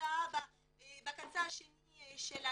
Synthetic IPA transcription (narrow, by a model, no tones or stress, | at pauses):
aba | bakãnt͡saʃeniʃɛla